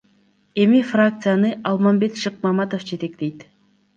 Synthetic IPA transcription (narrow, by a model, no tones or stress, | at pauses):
emifɾak̚t̪sɨjanɨʔɑlˠmɑmbet̪ʃɨq̚mɑmɑt̪ofd͡ʒet̪ek̚ʲd̪ejt̪